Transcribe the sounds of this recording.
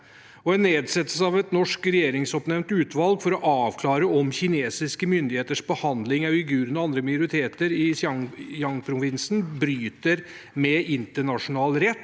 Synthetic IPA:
ɔɛnːeːd̪sɛt̪ːəlsəɑʋɛt̪nɔʂkɾɛjeːɾɪŋsɔpnɛmnt̪ʉːt̪ʋɑlɡfɔɾɔʔɑːʋkʰlɑːɾəɔmçɪneːsɪskəmʏnd̪ɪheːt̪əʂbəhɑnd̪lɪŋɑɪɡʉːɾənɔɑnd̪ɾəmɑjʊɾɪt̪ʰeːt̪əɾɪɑŋjɑŋpʰɾʊʋɪnsn̩bɾyːt̪əɾ | mɛʔɪnt̪əɳɑʂʊnɑːlɾɛt̪ː

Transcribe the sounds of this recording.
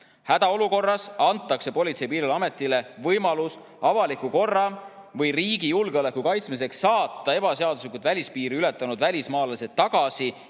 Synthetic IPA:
hæd̪̥ɑo̞luko̞rːɑsɑnt̪ːˑɑkse̞po̞lʲit̪se̞jpiːɾilɑme̞t̪ːˑile̞vɤjmɑlus | ɑvɑlikːuko̞rːɑ | vɤjriːɡ̥ijulɡ̥eole̞kːukɑjt̪smis̬e̞ksːɑːt̪ˑːɑe̞b̥ɑse̞ɑd̪̥us̬likut̪vælʲispiːɾiyle̞t̪ːˑɑnud̪̥vælʲismɑːlese̞t̪ːɑɡ̥ɑsi

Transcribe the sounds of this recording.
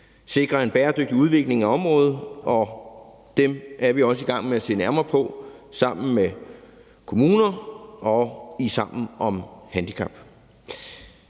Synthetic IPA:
se̝ɡ̥ʁɐe̝nb̥ɛːɐd̥øɡ̥̚d̥iuð̞ˠʋe̝ɡ̥le̝ŋæɒ̽mʁɔ̽ːð̩ˠɒ̽ | d̥emʔæɐʋiɒ̽s̬əiɡ̥ɑ̈ŋ̰meæse̝̰ːnæɐmɐːpʰɒ̽sɑ̈m̰n̩me | kʰo̝muːnɐʔɒ̽isɑ̈m̰n̩ɒ̽mhænd̥ikʰɑb̥

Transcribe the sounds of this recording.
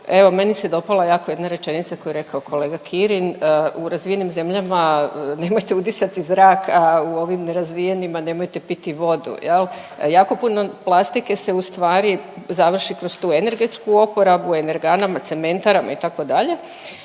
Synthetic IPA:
e̞ʋo̞me̞nised̪o̞palˠajaːkojed̪naɾe̞t͡ʃe̞nit̪sako̞jeɾe̞kaokʰo̞le̞ːɡakʰiɾinuɾazʋijenimze̞mʎamane̞mojt̪e̞ut̪isat̪izɾaːkʰauo̞ʋimne̞ɾazʋijenimane̞mojt̪e̞pit̪iʋo̞d̪ṵjeljaːko̞puno̞plˠast̪ike̞se̞ust̪ʋaːɾizaʋr̩ʃikɾo̞st̪uːe̞ne̞ɾɡe̞t̪skuo̞po̞ɾabuene̞ɾɡaːnamat̪se̞me̞nt̪aɾama̰it̪ako̞d̪aʎe̞

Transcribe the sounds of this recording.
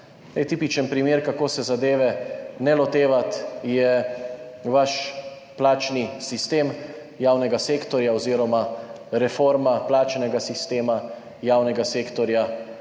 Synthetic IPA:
lɛjt̪iːpit͡ʃənpɾimeːɾkakoːsɛzad̪eːʋɛnɛlɔt̪eːʋat̪jɛ | ʋaʃ | plaːt͡ʃnisist̪eːm | jaːwnɛɡaseːkt̪ɔɾjaɔziːɾɔma | ɾɛfoɾmaplaːt͡ʃnɛɡasist̪eːma | jaːwnɛɡaseːkt̪ɔɾja

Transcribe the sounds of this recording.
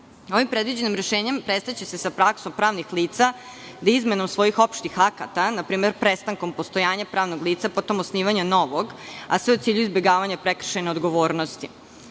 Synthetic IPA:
oʋimpɾed̪ʋid͡ʑe̞nimɾeʃeːɲempɾest̪at͡ɕesesapɾaksompɾaːʋnixliːt̪sa | d̪izme̞no̞msʋo̞jixo̞pʃt̪ixakat̪anapɾiːmeɾpɾest̪aŋko̞mpost̪o̞jaːɲapɾaːʋnoɡliːt̪sapo̞t̪o̞mosniːʋaɲano̞ʋoɡasʋeut̪siːʎuizbeɡaːʋaɲapɾekr̩ʃeneod̪ɡoʋoːɾnost̪i

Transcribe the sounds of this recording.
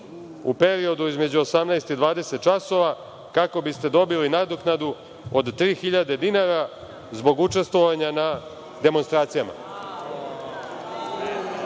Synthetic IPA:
ṵpe̞ɾio̞d̪uizme̞d͡ʑuosamnajst̪id̪ʋaːd̪e̞set̪̚t͡ʃaso̞ʋa | kako̞bist̪e̞d̪o̞bilinad̪oknad̪u | od̪t̪ɾiːxiʎad̪e̞d̪inaɾa | zbo̞ɡut͡ʃe̞st̪ʋo̞ʋaɲana | d̪e̞mo̞nst̪ɾaːt̪sijama̰

